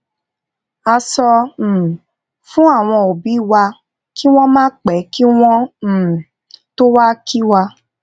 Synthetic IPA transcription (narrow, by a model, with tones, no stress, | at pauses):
a˧sɔ̃˧˨ | fũ˦a˦˨w̃ɔ̃˧o˨bi˨˦wa˧ | ki˦w̃ɔ̃˦mãː˦k͡pɛ˨˦ki˦w̃ɔ̃˦˨ | to˦wa˦ki˦wa˧